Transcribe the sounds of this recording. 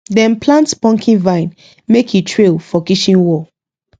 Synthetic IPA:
dɛ̃nplãntspɔ̃ŋkʰĩnvãɪ̃n | mekʰitʰɹelfɔkiʃĩnwɔ

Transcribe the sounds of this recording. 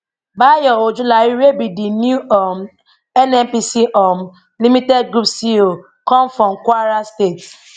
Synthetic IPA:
bajɔod͡ʒulaiɾebidinjuɔm | ɛnɛmpisiɔm | limitɛdɡɾupsio | kɔ̃mfɾɔ̃mkʷaɾastet

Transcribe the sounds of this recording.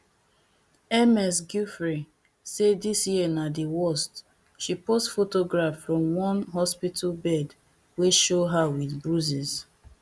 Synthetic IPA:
ɛmɛsɡjufɹi | sedisjiənadiwɔst | ʃipostfotoɡɹafːɹɔ̃mwɔ̃nɦɔspitʰalbɛd | weʃoɦawiθbɹuziz

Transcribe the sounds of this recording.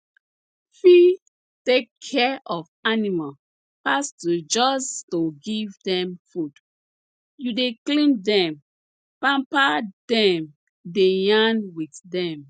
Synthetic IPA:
fi | tekʰːɛʔɔfanimal | pastud͡ʒɔstoɡivdɛ̃mfud | judeklĩndɛ̃m | pãmpadɛ̃m | dejãnwitdɛ̃m

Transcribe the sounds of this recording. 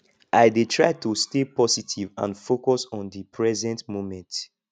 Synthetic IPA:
ʔajdetʰɹaɪtustepɔsitʰivã̰nfokɔsɔ̃ndipʰɹɛzɛ̃ntmomɛ̃nt

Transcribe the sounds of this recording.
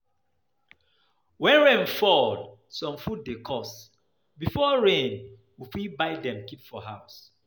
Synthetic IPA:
wɛ̃nɹẽnfɔd | sɔ̃mfud̚dekʰɔs | bifɔɹẽn | wifibaɪdɛ̃mkipfɔɦaʊs

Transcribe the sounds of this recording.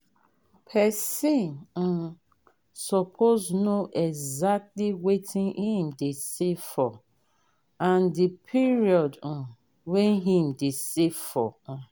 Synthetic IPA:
pʰɛsĩnn̩ | sɔpʰoznoʔɛɡzak̚tliwetʰĩnhĩmdesefɔ | ãndipʰiɹiɔd̩ | wɛɦĩm̩desefɔ

